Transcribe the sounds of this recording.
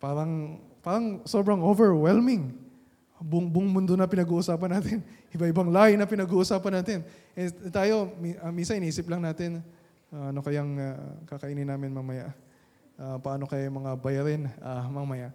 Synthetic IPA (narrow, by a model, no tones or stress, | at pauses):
paːɾɐŋ | paːɾɐŋso̞bɾɐŋʔovɛɹwɛlmɪŋ | bʊŋbʊŋmʊnd̪onɐpɪnɐɡuːʔʊsaːpɐnaːt̪ɪnʔɪbaʔɪbɐŋlaːjɪnɐpɪnɐɡuːʔʊsaːpɐnːaːt̪ɪnʔɛt̪aːjo̞miʔɐminsɐnʔɪniːsɪplɐŋnaːt̪ɪn | ʔɐno̞kɐjaŋakɐkɐʔinɪnaːmɪnmɐmɐja̰ʔ | ʔapɐʔaːno̞kɐjmɐŋabɐjɐɾɪnamɐmɐjaʔ